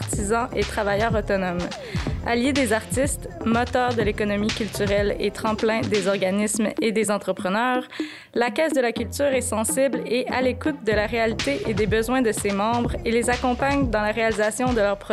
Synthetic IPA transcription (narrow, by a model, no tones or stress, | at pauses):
t̪izɑ̃ʔet̪χavajœːʁɔt̪ɔnɔm | a̰ljed̪ezaʁt̪ist̪mɔt̪œːʁd̪əlekɔnɔmikʲylt̪yʁɛlḛt̪χɑ̃plɛ̃d̪ezɔʁɡanismed̪ezɑ̃t̪χəpχənœːʁ | lakʲɛsd̪əlakʲylt̪yːʁɛsɑ̃sibleʔalekut̪̚d̪əlaʁealit̪eʔed̪ebəzwɛ̃d̪əsemɑ̃ːbʁelezakɔ̃paɲd̪ɑ̃laʁealizasjɔ̃d̪əlœʁpχɔ